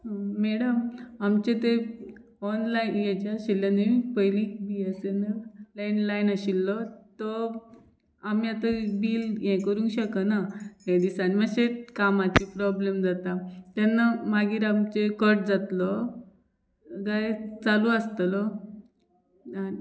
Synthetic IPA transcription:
ɦɔmɛɽəmamt͡ɕet̪e | ɔnlajnjet͡ɕaɕilːjaneipəjliːkbiesenəlainlajinaɕilːɔt̪ɔ | amiat̪abiːljɛ̃kəɾũːŋkɕəkənaɦed̪isanimaɕekamat͡ɕipɾɔblemd͡zat̪at̪janːamaɡiːɾamt͡ɕekəɾʈ̚d͡zat̪lɔ | ɡajt͡salũəst̪lɔ | a

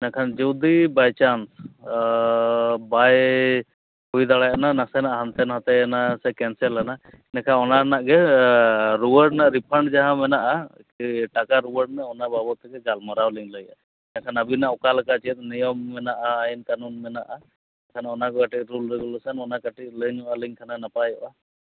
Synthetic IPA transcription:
nakʰand͡ʒɔwd̪ibajt͡ʃans | baj | hujd̪alajʔananasɛnaʔɦant̪ɛnɦat̪ɛnasɛkɛnsɛlana | nakʰanɔnanaʔɡɛ | ɾuwəɖ̚naʔɾipʰəɳɖd͡ʒaɦãmɛnaʔa | ʈakaɾuwəɖ̚naɔnababɔt̪ɛɡɛɡalmɔɾawliŋləjʔa̰ | ɛnakʰanabinaʔɔkalakat͡ʃɛt̪̚ˀnɛjɔmːɛnaʔaːjnkanunmɛnaʔa | kʰanaɔnakɔkaʈit̪̚ˀɾulɾɛɡɔlɔsanɔnakaʈit̪̚ləɲɔʔaliɲkʰananapajɔʔa

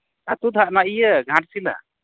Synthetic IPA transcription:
at̪ud̪ʱaʔnaʔijəɡʱãʈsila̰

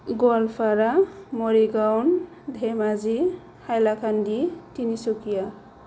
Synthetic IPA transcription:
ɡɔlpʰaɾamɔɾiɡawn | d̪ʱemazi | hajlakʰanditinisukija

